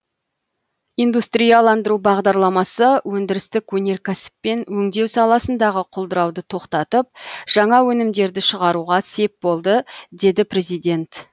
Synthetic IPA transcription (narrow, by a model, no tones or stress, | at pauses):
ijnd̪ust̪ɾijɑlˠɑnd̪əɾubɑʁd̪ɑɾlˠɑmɑsəwɵnd̪ɪɾɪst̪ɪkwɵne̞ɾkʲʰæsɪ̥pːe̞nwɵŋd̪e̞wsɑlˠɑsənd̪ɑʁəqʰolˠd̪əɾɑwd̪ət̪ʰo̞qt̪ɑt̪əp̚ʒ̥ɑɴɑwɵnɪmd̪e̞ɾd̪ɪʃəʁɑɾuʁɑse̞p̚bo̞lˠd̪əd̪e̞d̪ɪpɾe̞zijd̪ʲe̞nt̪